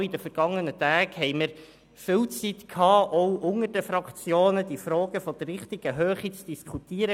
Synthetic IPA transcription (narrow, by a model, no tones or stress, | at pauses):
idəfəɾɡ̥ɑŋːənətæːɡhɛɪməɾ | fɪlt͡sitkʰhɑːʔɔwʔʊŋədəfrɑkt͡sjoːnəd̥ifɾɔːɡəfɔd̥ərːɪχtiɡ̥əɦøːχit͡sd̥iskʰutiːəɾə